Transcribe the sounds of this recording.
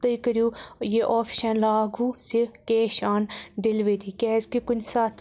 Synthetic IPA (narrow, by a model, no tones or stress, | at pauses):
t̪əikəɾjuːjeʔoːpʰʃɐnlaːɡuːsikeːʃaːnɖɪlʋeːd̪iːkɛːzkikʊnsaːt̪ʰ